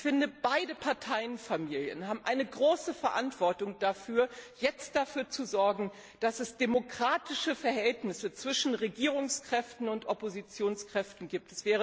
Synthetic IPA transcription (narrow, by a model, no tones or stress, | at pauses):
fɪndəb̥aɪdəpʰaɐtʰaɪənfamiːljə̰nhaːbm̩ʔaɪnəɡʁoːsəfɛɐʔantv̥ɔɐtʊŋd̥afyːɐjɛt͡st̚d̥afyːɐt͡suzɔɐɡŋ̩ | d̥asɛsd̥emokʁ̥aːtɪʃəfɛɐɦɛltnɪsət͡sv̥ɪʃn̩ʁeɡiːʁʊŋskʁ̥ɛftn̩ʊntʔɔpozit͡sjoːnskʁ̥ɛftn̩ɡiːp̚tɛsv̥ɛːʁ̞ə